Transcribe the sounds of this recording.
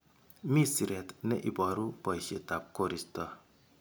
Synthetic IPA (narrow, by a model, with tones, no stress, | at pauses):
mi˦si˨ɾe˨tnɛ˦ʔi˨bɔ˨ɾu˦pɔ˨i˨ʃe˨ta˨p̚ko˦ɾi˨stɔ˨